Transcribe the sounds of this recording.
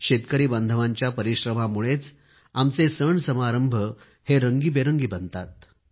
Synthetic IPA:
ɕet̪kəɾiːbənd̪ʱəʋaɲt͡ɕjapəɾiɕɾəmamuɭet͡s | amt͡sesəɳsəmaɾəmbʱə | heɾəŋɡiːbeɾəŋɡiːbənt̪at̪̚

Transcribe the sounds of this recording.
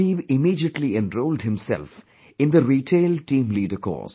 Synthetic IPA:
iːʋɪmiːɖiəʈliɛ̃nɾoʊːlɖhɪ̃msɛ̰lf | ɪ̃nd̪əɾiːʈʰeːlʈĩːmliːɖəkɔ̰ːs

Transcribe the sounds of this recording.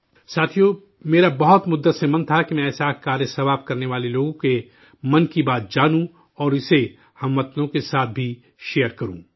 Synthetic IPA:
saːt̪ʰijo | meːɾabɐɦɔt̪mʊd̪ːəsemɐ̃nt̪ʰakimɛ̃ɛːsakaːɾjəsɐʋaːbkɐɾneʋaːleloːɡõke | mɐnkibaːt̪̚d͡ʒaːnũ | ɔːɾɪse | hɐmːɐt̪nõkesaːt̪̚ʰbʱi | ʃejəɾkɐɾṵ̃ː

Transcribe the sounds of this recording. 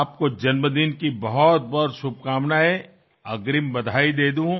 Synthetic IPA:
p̚kod͡ʒɐnməd̪inkibɐɦɔt̪̚bɔɾʃʊb̚ʱkaːmnae | ɐɡɾimbɐd̪ʱaːid̪eːd̪uũ

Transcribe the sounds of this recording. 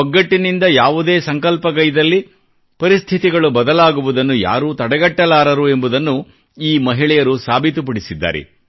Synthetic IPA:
ɔɡːɐʈːinind̪ɐjaːʋud̪eːsɐŋkɐlpɐɡɐjid̪ɐlːi | pɐɾist̪ʰit̪iɡɐɭubɐd̪ɐlaːɡuʋud̪ɐnːuja̰ːɾuːt̪ɐɽɐɡɐʈːɐlaːɾɐɾue̞mbud̪ɐnːu | iːmɐɦiɭɛjɐɾusaːbʱit̪up̬ɐɽisid̪ːa̰ːɾɛ̰

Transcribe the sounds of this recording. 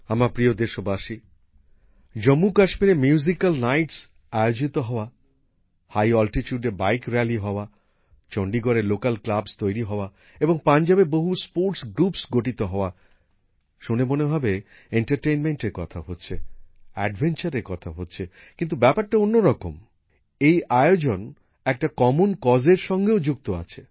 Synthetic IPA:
amapɾiod̪eʃobaʃi | d͡ʑomːukaʃmiɾemjuzikalnajʈs | ajod͡ʑit̪oɦɔoa | hajɔlʈit͡ɕuɖebajkɾɛliɦɔoa | t͡ɕɔɳɖiɡɔɾelokalklabst̪ojɾiɦɔoa | eboŋpand͡ʑabeboɦuspoɾʈsɡɾupsɡoʈit̪oɦɔoa | ʃunemoneɦɔbe | eɳʈaɾʈejnmeɳʈeɾkɔt̪ʰaɦotːɕʰeɛ̰ɖbʱent͡ɕaɾeɾkɔt̪ʰaɦotːɕʰe | kint̪̬ubɛpaɾʈaonːoɾɔko̰m | ejʔaeod͡ʑon | ɛk̚ʈakɔmonkɔd͡ʑeɾʃɔŋɡeod͡ʑuk̚t̪oa̰t͡ɕʰe

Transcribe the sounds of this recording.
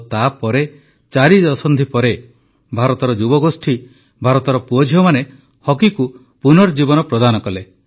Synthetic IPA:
t̪apɔɾe | t͡ʃaɾid͡ʒɔsɔnd̪ʱipɔɾe | bʱaɾɔt̪ɔɾɔd͡ʒubɔɡosʈʰi | bʱaɾɔt̪ɔɾɔpuɔd͡ʒʱiɔmane | hɔkiku | punɔɾd͡ʒibɔnɔpɾɔd̪anɔkɔle

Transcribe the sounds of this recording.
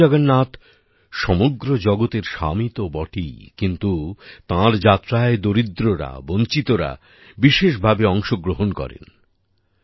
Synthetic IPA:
aɡanːat̪ | ʃɔmoɡɾod͡ʑɔɡot̪eɾʃa̰mit̪obɔʈijkint̪ut̪ãɾd͡ʑat̪ːɾaed̪oɾid̪ɾoɾa̰bont͡ɕit̪oɾa̰ | biʃeʃ̬bʱabeɔŋʃoɡɾoɦonkɔ̰ɾḛn

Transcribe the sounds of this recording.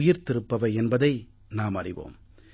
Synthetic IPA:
jɪɾt̪ɪɾɯpːɐʋɐɪɛnbɐðɐɪ | naːmɐrɪʋo̰ːm

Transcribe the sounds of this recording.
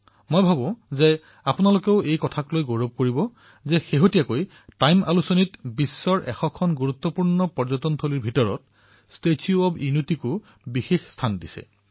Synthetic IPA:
mojbʱabɔ̃zɛ | apʊnalokeʊʔejkɔtʰaklojɡoɹob̚koɹibɔ | zɛxeɦotijakoj | tajma̰lusonitbisːɔɹʔɛ̰xɔkʰɔnɡuɹut̪ːɔpuɹnɔpɔɹzɔtɔntʰoliɹbʱitɔɹɔ̰t̚ | stetʰiuɔbinutikʊ | bixexstʰandisɛ̰

